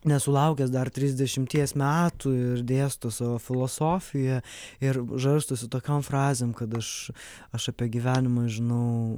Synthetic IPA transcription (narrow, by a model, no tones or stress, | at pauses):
nʲɛsʊlˠɐʊkʲɛsd̪ɐrt̪ʲɾʲɪzʲd̪ʲɛʃʲɪmʲt̪ʲiɛsmʲæːt̪uɪrd̪ʲeːst̪osɑːʋoːfʲɪlˠoːsoːfʲɪjɛɪɾʒɐɾst̪osʲɪt̪oːkʲomfɾɑːzʲeːmkɐt̪ɐʃ | ɐʃɐpʲiɛɡʲiʋʲæːnʲɪmɐːʒʲɪnɐʊ